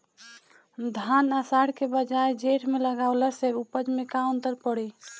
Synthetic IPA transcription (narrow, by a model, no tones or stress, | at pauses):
d̪ʱanasaɽkebəd͡ʒaed͡ʒeʈmeləɡaʊləseupəd͡ʒmekaə̃nt̪əɾpəɽi